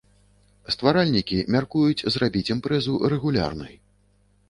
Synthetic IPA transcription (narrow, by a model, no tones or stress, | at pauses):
st̪vaɾalʲnʲikʲimʲarkujut͡sʲzrabʲit͡sʲimpɾɛzurɛɣulʲa̰rnɨ̰j